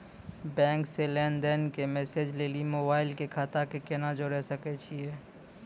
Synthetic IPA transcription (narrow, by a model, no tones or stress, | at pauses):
bɛ̃ːŋkselɛːnd̪ɛːnkemɛːseːd͡ʒleːlimoːbaːɪlkekʰaːt̪akekenad͡ʒoɾɛɦsəket͡ʃʰieː